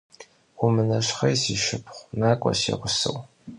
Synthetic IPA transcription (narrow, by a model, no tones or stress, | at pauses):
ʊmɨnɐɕχɐjsiʃɪpʰχʷnaːkʷʼɔ̰sḛʁʷʊsɨ̰w